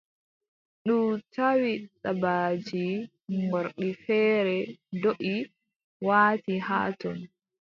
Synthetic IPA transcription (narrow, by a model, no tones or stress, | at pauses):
ɗutʰawiɗabad͡ʒi | ŋɡɔɾɗifɛːɾɛdoʔi | waːtihaːtɔn